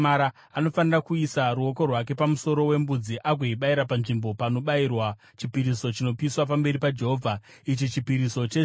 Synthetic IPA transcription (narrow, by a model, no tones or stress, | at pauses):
aɾa | ano̞fanirakuisaruo̞ko̞rwak̬e̞pamuso̞ɾo̞we̞mbud͡ziʔaɡʱwoiɓaiɾapanʐimbo̞pano̞ɓairwa | t͡ʃipiɾiso̞t͡ʃino̞piːswap̬ambe̞ɾipad͡ʒe̞ɦoːvʱa | it͡ʃit͡ʃipiɾiso̞t͡ʃe